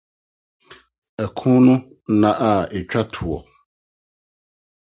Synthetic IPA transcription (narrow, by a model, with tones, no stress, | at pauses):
ɛ˨kʰũ˦nũ˦ | nã˨ʔa˦˨e˨t͡ʃᶣa˦tʰu˨ɔ̰˨